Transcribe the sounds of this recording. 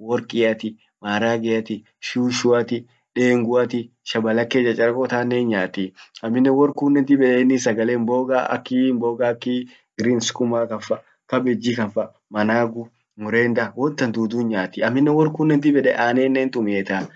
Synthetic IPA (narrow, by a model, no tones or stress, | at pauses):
wɔɾkʼɪjɐt̪ɪ | maːɾaːɡɛjɐt̪ɪ | ʃuːʃʊɐt̪ɪ | ᶑeːŋɡʊɐt̪ɪʃɐbɐlɐkːeːd͡ʒɐt͡ʃʼɐɾɐkɔt̪aːnːeːnɲaːt̪ːɪɐmːɪnːɛwɔɾkuːnːɛnt̪ɪbɛᶑɛnːɪsɐɡɐleːmboːɡa̰ːɐ̰kːimboːɡaːkːi | ɡɪɾiːnskʼʊmaːkɐfɐ | kɐbɛd͡ʒːikɐfɐ | mɐnaːɡʊ | mʊɾeːnd̪ɐwɔnt̪ːɐnd̪uːd̪uːnɲaːt̪ːɪɐmːɪnːɛwɔɾkuːnːɛnt̪̬ɪbɛᶑɛʔaːneːnːeːnt̪ʼʊmeːt̪aː